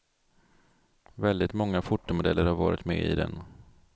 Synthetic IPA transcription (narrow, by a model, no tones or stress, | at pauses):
vɛld̪ɪt̪mɔŋːafʊʈːʊmod̪ɛlːəɾhaɾvɑːɾɪt̪mɛ̰ːɪ̰d̪ɛ̰n